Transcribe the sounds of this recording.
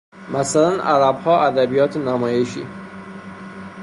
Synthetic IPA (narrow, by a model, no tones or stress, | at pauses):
mæsælænʔæ̰ɾæbhɒːæd̪æbijɒːt̪ʰenæmɒːjeʃḭː